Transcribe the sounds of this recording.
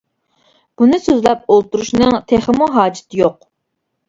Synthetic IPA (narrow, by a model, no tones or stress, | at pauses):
b̥unɨsøzlɛp̚olˠt̪uɾuʃnɨŋt̪ʰeχəmuɦɑːd͡ʒɪ̥t̪ʰɪjoq